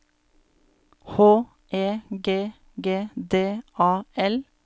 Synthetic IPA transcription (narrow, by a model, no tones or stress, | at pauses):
hoː | ʔeːɡeː | ɡeːd̪eːʔɑːɛl